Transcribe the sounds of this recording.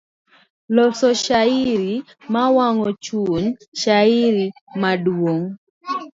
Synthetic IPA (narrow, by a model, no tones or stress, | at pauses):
lɔsɔʃaɪɾi | mawaŋɔt͡ʃunʃaɪɾimadwoŋ